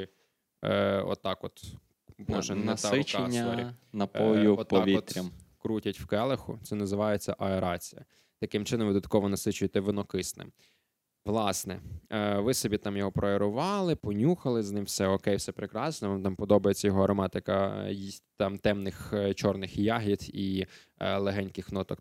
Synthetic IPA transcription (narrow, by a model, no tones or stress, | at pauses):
ɔ̰t̪ːɑkɔt̪ | bɔʒɛnɐɪeɐɔɾʲinɐpɔjʊɔtp̪ːɔʋʲiɔt̪ɾʲɐmkɾutʲɐtʲwkɛlˠɪxʊt̪sɛnɐzɪʋɑjet͡sʲːɐʔɐeɾɑt͡sʲijɐ̰ | t̪ɐkɪmt͡ʃɪnɔmʋɪd̪ɐt̪̚kɔʋɔnɐsɪt͡ʃʊjet̪ɛʋɪnɔkɪsnɪ̰m | ʋlˠɑsnɛʋɪsɔbʲit̪ɑmjɔɦɔpɾɔeɾʊʋɑlˠɪpɔnʲuxɐlˠɪznɪmwsɛɔkɛjwsɛpɾekɾɑsnɔʋɑmt̪ɑmpɔd̪ɔbɐjet͡sʲːɐjɔɦɔɐɾɔmɑt̪ɪkɐ̰ | t̪ɑmt̪ɛmnɪxt͡ʃɔrnɪxjɑɦʲid̪i | lˠeɦɛnʲkɪxnɔt̪ɔk